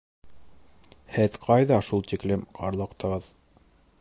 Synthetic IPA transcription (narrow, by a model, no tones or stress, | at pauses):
hɘðqʰɑjðɑʃulˠt̪iklɘmqʰɑɾlˠɤ̆qt̪ɑ̆ʁɤð